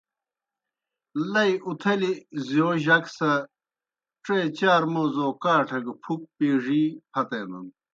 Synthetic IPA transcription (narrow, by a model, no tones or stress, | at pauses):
lɐiut̪ʰɐlizjoːʑɐksɐ | ʈ͡ʂeːt͡ɕaːɾmoːzoːkaːʈʰɐɡɐpʰuk̚piːʐihʰɐt̪eːnɐ̰n